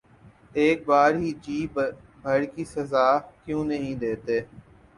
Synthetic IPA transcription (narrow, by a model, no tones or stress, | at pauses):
eːk̚baːɾɦiːd͡ʒiːb | bʱəɽkiːsəzaːkjũːnəɦĩd̪eːt̪eː